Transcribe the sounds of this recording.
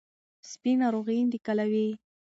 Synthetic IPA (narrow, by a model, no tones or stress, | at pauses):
spinaɾoɣəjnd̪ikalawi